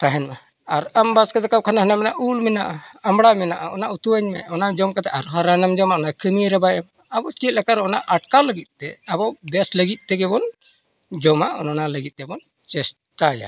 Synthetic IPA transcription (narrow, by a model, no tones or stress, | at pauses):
t̪aɦɛnma | aɾambaskat̪ɛkaw̚kʰanaɦanamɛnaʔulmɛnaʔaamɽamɛnaʔaɔnaʔut̪uəɲmɛ̰ɔnad͡ʒɔmkat̪ɛʔaɾɦɔɾanamd͡ʒɔmaʔɔnakʰəniɾɛbajam | abɔt͡ʃit̪̚lɛkaɾɔnaʔaʈkaləɡit̪̚ˀt̪ɛabɔbɛsləɡit̪̚ˀt̪ɛɡɛbɔn | d͡ʒɔmaɔ̰nɔnaləɡit̪̚ˀt̪ɛbɔn | t͡ʃɛs | ʈaja̰